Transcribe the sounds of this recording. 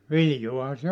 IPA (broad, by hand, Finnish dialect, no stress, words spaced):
ʋiljoɑhɑ se